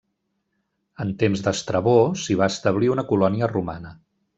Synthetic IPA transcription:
ənt̪emzd̪əst̪ɾəβosiβ̞aəst̪əβ̞liunəkulɔniəruma̰nə

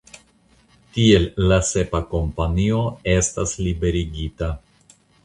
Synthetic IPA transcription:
tie̞lːase̞pako̞mpanio̞e̞staslibe̞ɾiɡita

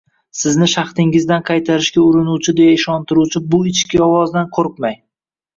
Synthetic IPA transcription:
sɪznɪʃɑχt̪ɪŋɪzd̪anqʰɑjt̪ʰaɾɪʃkʲaʊɾɪnuwt͡ʃʰɪd̪e̞jaɪʃɒnt̪ɪɾuwt͡ʃʰɪbʊɪt͡ʃkʲɪɒwɒzd̪anqʰoɾq̚maj

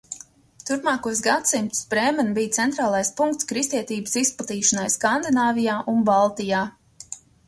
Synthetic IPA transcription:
t̪uɾpmɑːkuɔsɡat̪simt̪u̥spɾɛːmɛnbijt̪sɛnt̪ɾaːlˠajspuŋkt̪skɾist̪iɛt̪iːbə̥sisplˠat̪iːʃanajskand̪inaːvijaːʔunbalˠt̪ijaː

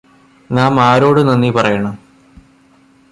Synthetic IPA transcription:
naːmaːɾo̞ːɽɨnɐnːipɐrɐjɐɳɐm

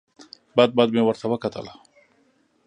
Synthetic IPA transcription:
bad̪̚bad̪̚mewəɾsawakat̪ʰə̰la

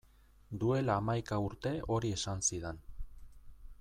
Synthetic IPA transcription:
d̪ue̞laːmajkauɾt̪e̞ʔo̞ɾie̞sansiðen

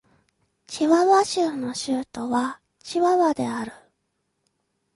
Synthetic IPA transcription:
t͡ɕiβaβaɕɨːno̞ɕɨːt̪o̞βa | t͡ɕiβaβad̪e̞aɾɯ̟

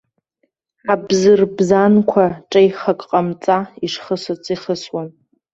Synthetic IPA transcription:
abzɨrbzankʷʰaʈ͡ʂʼajχakʼqʼamt͡sʼaiʂχəsat͡sʼiχəswan

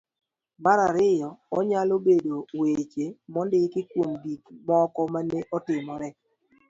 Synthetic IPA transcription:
maɾaɾɪjɔɔɲalobedowet͡ʃemɔndɪkɪkwomdikmɔkɔmaneʔɔtɪmɔɾɛ

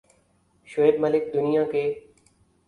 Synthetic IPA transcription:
ʃʊeːbməlɪk̚d̪ʊnijãke

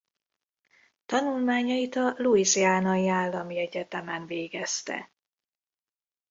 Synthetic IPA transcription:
t̪ɒnulmaːɲɒit̪ɒluiziaːnɒjiaːlːɒmiɛɟɛt̪ɛmɛnveːɡɛst̪ɛ̰

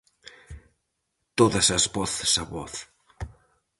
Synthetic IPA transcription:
t̪oðəsəzβɔθsaβɔθ

